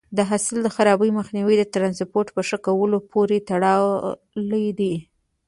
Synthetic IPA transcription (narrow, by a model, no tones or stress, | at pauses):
d̪əɦasɪld̪əxaɾɑbəjməxniwid̪ət̪ɾɑnspoɾʈpəʂəkawəlopʰoɾet̪aɽɑw | ləd̪i